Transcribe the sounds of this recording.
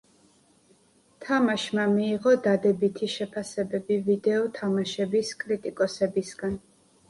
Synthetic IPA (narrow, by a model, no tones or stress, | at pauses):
t̪ʰamaʃmamiːʁɔd̪ad̪ɛbit̪ʰiʃɛpʰasɛbɛbivid̪ɛɔt̪ʰamaʃɛbiskʼɾit̪ʼikʼɔsɛbisɡan